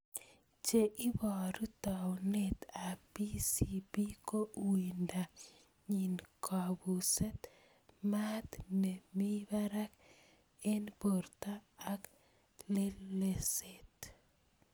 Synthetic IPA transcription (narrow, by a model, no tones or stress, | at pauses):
t͡ʃeʔibɔɾut̪awnet̪apisibikowinda | ɲinkʰabuset̪ | mat̪nemibaɾak | enboɾt̪aːk | leleset̪